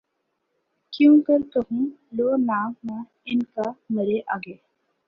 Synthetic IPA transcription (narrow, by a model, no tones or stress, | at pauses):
kjũːkəɾt̪oɦũloːnaːmmã | ɪnkamɐɾeʔaːɡeː